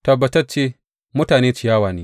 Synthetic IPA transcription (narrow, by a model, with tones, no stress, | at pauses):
tɐ˨bːɐ˨tɐ˦rt͡ʃeː˦ | mʊ˦taː˨neː˦t͡ʃɪ˨jaː˦waː˨neː˦